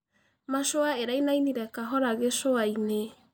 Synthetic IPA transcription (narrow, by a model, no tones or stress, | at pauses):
maʃoaeɾainajniɾɛkaɦɔɾaɣeʃoaine